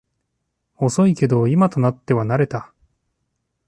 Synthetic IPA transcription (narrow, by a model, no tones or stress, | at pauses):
o̞so̞ike̞d̪o̞imat̪o̞nat̪ːe̞βanaɾe̞t̪a